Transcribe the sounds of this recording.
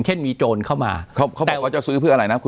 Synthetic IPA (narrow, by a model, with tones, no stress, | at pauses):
ŋt͡ɕʰe˥˩nmiː˧t͡ɕoː˧nkʰa˥˩wma̰ː˧kʰɔ˦˥˩kʰːbtɛː˨wa˥˩t͡ɕa˨˩sɯː˦˥pʰɯ˥˩na˧ɾa˧jna˦˥kʰu˧